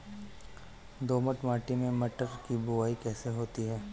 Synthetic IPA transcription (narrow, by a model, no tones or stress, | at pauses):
d̪oːməʈmaːʈimẽmɐʈəɾkibʊʋaːikɛːseɦoːt̪iɦɛː